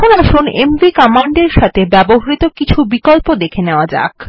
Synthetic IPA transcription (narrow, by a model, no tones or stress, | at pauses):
onaʃunḛmvikɔmaɳɖeɾʃat̪ʰebɛboɦaɾit̪okit͡ɕʰubikolpod̪ekʰeneoad͡ʑa̰k